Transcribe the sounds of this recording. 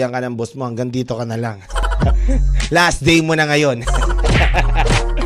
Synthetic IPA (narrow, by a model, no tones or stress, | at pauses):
ɐŋkɐnɐŋbosmohɐŋɡɐŋd̪iːt̪o̞kɐnɐlaŋ | lasd̪ɛjmonɐŋɐjo̞n